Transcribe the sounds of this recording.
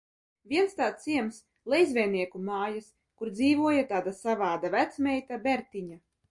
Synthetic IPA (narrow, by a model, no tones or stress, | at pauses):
vʲiɛnst̪aːt̪siɛms | lˠejzvʲɛjniɛkumaːjas | kuɾd̪ziːvuɔjat̪aːd̪asavaːd̪avæt̪smʲɛjt̪abʲɛɾt̪ʲiɲa